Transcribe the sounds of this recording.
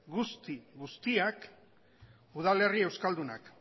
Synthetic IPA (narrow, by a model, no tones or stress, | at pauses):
ɡust̪iɣust̪iak | uðale̞rie̞wskald̪una̰k